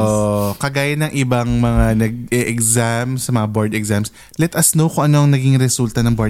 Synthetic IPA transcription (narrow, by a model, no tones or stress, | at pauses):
ʔokɐɡaːjɐnɐŋʔɪbɐŋmɐŋanɐɡ̚ʔɛʔɛɡzamsɐmɐŋaboɹd̪ɛɡzams | lɛt̪ʔɐsnowkʊŋʔɐnoʔɐŋnɐɡiŋɾɛsult̪ɐnɐŋbo